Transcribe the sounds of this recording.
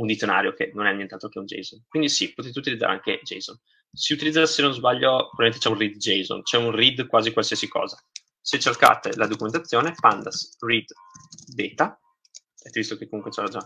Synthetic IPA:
und̪it̪sjona̰ːɾjokenonɛnːjɛnt̪alt̪ɾokeund͡ʒḛjzonkwind̪isipot̪et̪eut̪ilid̪za̰ɾea̰ŋked͡ʒɛ̰jzon | siut̪ilid̪zːasenonzbaʎːopɾovaiẽnt̪e̥t͡ʃɛunrid̪d͡ʒejzo̰nt͡ʃɛunrid̪kwaːzikwalsiasikɔ̰ːza | set͡ʃːerka̰ːt̪ḛlad̪okumẽnt̪at̪sːjoːnepand̪asrid̪ | d̪eːt̪a | ɛt̪ːevist̪okekːomuŋkwet͡ʃɛlad͡ʒa

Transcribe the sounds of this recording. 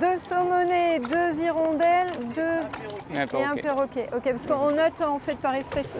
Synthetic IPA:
d̪øsɔmɔned̪øziʁɔ̃d̪ɛld̪ø̃ | eɛ̃pɛʁokʲeʔokʲepaskəɔ̃nɔt̪ɑ̃fɛt̪̚paʁɛspɛs

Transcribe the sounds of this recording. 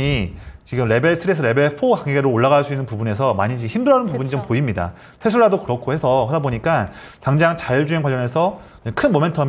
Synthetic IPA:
it͡ɕiɡɯmɾe̞be̞ɭsʰɯɾesʰɯɾe̞be̞ɭpʰoɡaŋɡeɡeɾooɭːaɣaɭs͈uinːɯnpubune̞sʰʌmaɲid͡ʑiçimdɯɾʌnɯnpubuɲit͡ɕompoimɲida̰ | tʰe̞sʰuɭːadokɯɾʌkʰohe̞sʰʌesʰʌboɲik͈akaŋd͡ʑaŋt͡ɕaiɭd͡ʑuɦe̞ŋɡwaʎːʌne̞sʰʌ | kɯʌkʰɯnmome̞ntʰʌm

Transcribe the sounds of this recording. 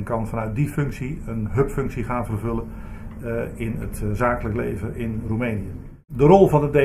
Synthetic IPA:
nkɑnvɑnœɥt̚difɵŋksiənɦɵpfɵŋksiχaːnvərvɵlən | ɪnə̰tzaːkələklḛjvəʔɪnrumejnijə | dərɔlˠvɑndəde

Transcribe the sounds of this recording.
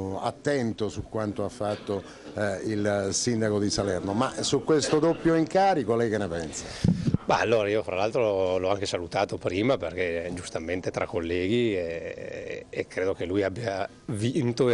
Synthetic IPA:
a̰t̪ːɛnt̪osukwant̪oafːat̪ːo | ilsind̪akod̪isalɛrnomasukːwest̪od̪opːjoiŋkaːɾikolɛjkenːepɛnsabaalːoːɾaiofɾalalt̪ɾolɔaŋkesalut̪aːt̪opɾiːmaperk̟ed͡ʒust̪ament̪et̪ɾakːolːɛːɡieː | kːɾeːd̪ok̟elujabːja | vint̪o

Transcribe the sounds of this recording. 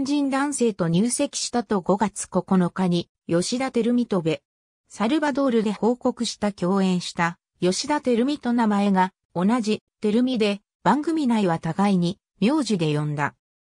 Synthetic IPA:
ɲd͡ʑĩnd̪ãɰ̃se̞ːt̪o̞ɲ̟ɨːse̞kʲi̥ɕi̥t̪at̪o̞ɡo̞ɡat͡sɨ̥ko̞ko̞no̞kaɲ̟i | jo̞ɕid̪at̪e̞ɾɯ̟mʲit̪o̞be̞ | saɾɯ̟bad̪o̞ːɾɯ̟d̪e̞ho̞ːko̞kɯ̟ɕi̥t̪akʲo̞ːẽ̞ɰ̃ɕi̥t̪a | jo̞ɕid̪at̪e̞ɾɯ̟mʲit̪o̞namae̞ɡa | o̞naʑit̪e̞ɾɯ̟mʲid̪e̞ | b̥ãŋɡɯ̟mʲinaiβat̪aɡaiɲ̟i | mʲjo̞ːʑid̪e̞jõ̞nd̪a̰

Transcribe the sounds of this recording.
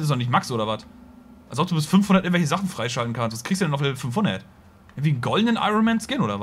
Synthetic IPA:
ɪs̬ɔnɪç̬tmaksʔoːɾɐvat | ʔa̰lsɔp̚d̥uːbɪstfʏnfhʊndɐtɪŋ̩tvɛçəzaχn̩fʁ̥aɪʃaltn̩kʰanstvaskʰiːstuːdɛnaʊlɛbfʏnfhʊndɐ̰t | ʔʔɪŋ̩tviːnɡɔldnənʔa̰ɪʁonmɛnskɪnʔoːdɐv

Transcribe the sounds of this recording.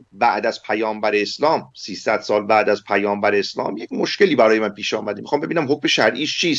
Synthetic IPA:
bæʔd̪æz̥pʰæjɒːmbæɾeːslɒːmsiːsæd̪̥sɒːlbæːd̪æzpʰæjɒːmbæɾeeslɒ̰ːmjecmoʃce̞liːbæɾɒːjemænpʰiːʃɒːmæd̪emixɒːmbe̞biːnæmɦok̚me̞ʃæɾʔiːʃt͡ʃʰiːs

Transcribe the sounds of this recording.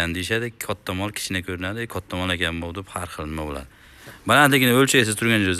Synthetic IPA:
and̪ejɪʃad̪ɪkʰɒt̪ʰːamɒlˠkʲʰɪ̥t͡ʃʰɪnɪkʲʰɵɾɪnad̪ɪkʰɒt̪ʰːamɒlˠekʲʰanbolˠd̪ɪphaɾχɨlˠnɪmabola̰d̪ɪ | balant̪lɪkʲɪnɪɵlt͡ʃʰajs̬ɪzt̪ʰʊɾɡʲand͡ʒoz

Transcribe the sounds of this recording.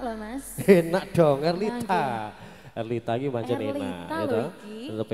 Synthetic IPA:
enaʔɖ̥ɔŋərlit̪a | ərlit̪akimaɲt͡ʃənenna̰ɡit̪ut̪əp

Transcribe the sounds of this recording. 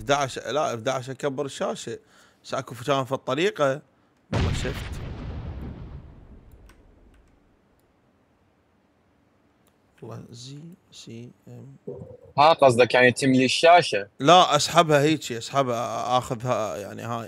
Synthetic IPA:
d̪aːʕʃlaʔfd̪aːʕɪʃʔakabːɪɾʃːaːʃa | basʔakufʊt̪aːmfit̪ˤːɑɾiːqɑ | wɑlːˤɑ̰ʃɪft̪ | lˤːɑ̰zi | si | m | haqɑs̬ˤd̪ɑkaːnjt̪ʰɪmliʃːaːʃalaʔasˤħabhahiːt͡ʃiʔasˤħabhaʔaxʊðhaja̰ʕnḭhaːj

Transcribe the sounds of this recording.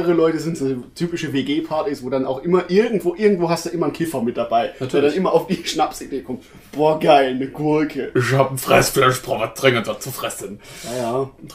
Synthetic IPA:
əʁəlɔʏtəzɪntːtʰyːpɪʃəveːɡeːpʰaɐtisv̥oːdanaʊxʔɪmɐʔɪɐɡŋ̩tv̥oːʔɪɐɡŋ̩tv̥oːhastd̥uʔɪmɐnkʰɪfɐmɪt̚d̥abaɪɛɐdanʔɪmɐʔaʊfd̥iːʃnapsideːkʰɔmt | b̥ɔːɐɡaɪlnəɡ̥ʊɐkʰəɪçhaːb̩fʁ̥ɛ̰sflɛʃpʁɔvatʁ̥ɪŋəndɔt͡sufʁ̥ɛsənjajaː

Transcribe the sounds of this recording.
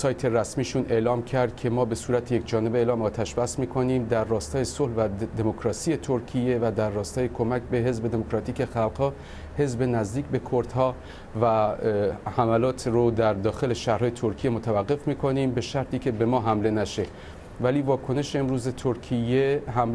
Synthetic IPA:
sɒːjt̪ʰe̞ɾæsmiːʃunʔe̞lɒːmcʰæɾd̪̥̚cʰe̞mɒːbe̞suːɾæt̪ʰeje̞kd͡ʒɒːne̞beelɒːmɒːt̪ʰæʃbæsmiːkʰo̞niːmd̪æɾːɒːst̪ɒːje̞solvæd̪e̞mokɾɒːsiːje̞t̪ʰoɾcʰije̞væd̪ærːɒːst̪ɒːjekʰo̞mæcbe̞ɦe̞zbe̞d̪e̞mokɾɒt̪ʰiːce̞xælɡhɒː | he̞zbe̞næzd̪iːcbe̞kʰoɾd̪̥hɒː | væ | hæmælɒːt̪ʰrod̪æɾd̪ɒːxe̞leʃæhɾɦɒːjet̪ʰoɾkʰijemot̪ʰævæɢːe̞fmiːkʰo̞niːmbe̞ʃæɾt̪ʰiːcʰʲe̞be̞mɒːɦæmle̞næʃe̞ | væliːvɒːkʰo̞ne̞ʃeemɾuːzet̪ʰoɾkʰijeɦæm

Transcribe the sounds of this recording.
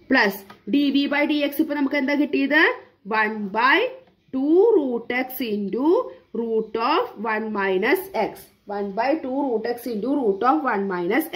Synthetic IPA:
plɐsɖiʋibɐjɖieksipːɐnɐmːɐkːɐ̃nd̪akiʈːiːd̪ɐ | ʋɐnbaj | ʈuːɾuːʈeksiɳʈuɾuːʈɔːfʋɐnmajnɐseks | ʋɐnbajʈuːɾuːʈeksĩɳʈuɾuːʈɔːfʋɐnmajnɐs

